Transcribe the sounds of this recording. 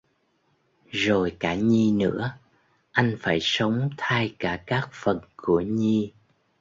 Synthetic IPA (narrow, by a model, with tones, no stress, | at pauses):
zo˨˩jkaː˧˩ɲi˧nɨ̰˧˥ə | ʔa˧jŋ̟faː˧˩jsə˨˦wŋ͡mt̪ʰaː˧jkaː˧˩kaː˦˥k̚fə˨˩nku˧˩əɲi˧